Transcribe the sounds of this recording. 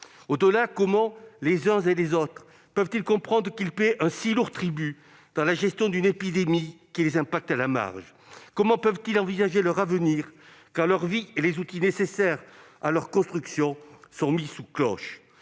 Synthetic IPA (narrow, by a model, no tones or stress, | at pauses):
od̪əlakɔmɑ̃lezɛ̃zelezot̪χ | pœvt̪ilkɔ̃pχɑ̃d̪ʁəkilpeʔɛ̃siluʁt̪χiby | d̪̥ɑ̃laʒɛst̪jɔ̃d̪ynepid̪emikʲilezɛ̃pak̚t̪alama̰ʁʒ | kɔmɑ̃pœvt̪ilɑ̃vizaʒelœʁavəniʁ | kaʁlœʁvielezut̪inesesɛʁalœʁkɔ̃st̪χyksjɔ̃sɔ̃misuklɔ̰ʃ